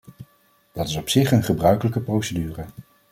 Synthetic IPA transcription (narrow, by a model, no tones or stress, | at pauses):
d̥ɑtɪsɔpsɪχənχəbrœɥkələkəprowsədyːrə